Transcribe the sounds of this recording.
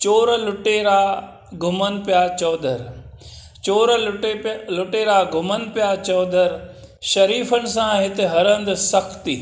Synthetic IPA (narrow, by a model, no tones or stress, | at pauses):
t͡ɕoːɾəlʊʈeɾa | ɡʱʊmən̆pjat͡ɕɔːd̪əɾ | t͡ɕoːɾəlʊelʊʈeɾaɡʱʊmənpjat͡ɕɔːd̪əɾ | ʃɐɾiːfənɪ̆sãɦɪt̪eɦɐɾə̃nd̪sɐxʰt̪i